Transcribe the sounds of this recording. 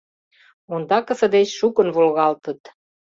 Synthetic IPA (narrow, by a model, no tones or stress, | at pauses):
ond̪ɑkə̆sə̆d̪et͡ɕʃukənβolɣɑlt̪ə̆t̪